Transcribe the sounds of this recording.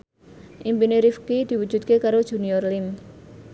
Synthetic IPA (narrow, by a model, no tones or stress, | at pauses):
ʔimpiniɾifkid̪̥i̤wud̥ʒ̥ṳt̪̚kekaɾod̥ʒ̥ṳniɔrlim